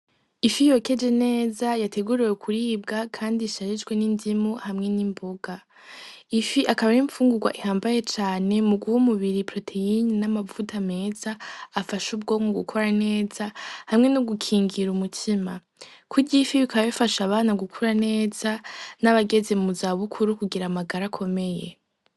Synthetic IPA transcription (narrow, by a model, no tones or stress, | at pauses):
ifijo̞ke̞d͡ʒe̞ne̞ːzajatʰe̞ɡuɾijekʰuɾiːb̚ɡakʰaːndiʃaɾid͡ʒɡwe̞nindimuhamŋe̞nimboɡa | ifiʔakaβaɾiɱfuːŋɡuɡwa̰ʔihaːmbaje̞t͡ʃaːne̞muɡuhumuβiɾipɾo̞tʰe̞innamavutʰame̞ːz̥aːfaʃub̚ɡo̞ːŋɡoɡṵkʰoɾane̞ːz̥ahamŋe̞nuɡukʰiːŋɡiɾumutʰima | kʰuɟifiβikaβaβifaʃaβaːnaɡukʰuɾane̞ːz̥anaβaɡe̞zemuzaβukʰuɾukuɡiɾamaɡaɾakʰo̞me̞je̞̰